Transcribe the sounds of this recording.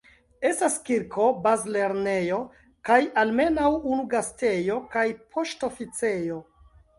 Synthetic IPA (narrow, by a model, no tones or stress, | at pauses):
e̞staskiɾkʰo̞bazle̞ɾne̞jo̞ | kajalme̞nawunuɡaste̞jo̞kajpʰo̞ʃtofit͡se̞jo̞